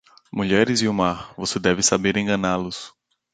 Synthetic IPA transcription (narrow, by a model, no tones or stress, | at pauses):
muʎɛɾɪziumaɾvosed̪ɛvɪsabeɾẽɡɐ̃nalʊs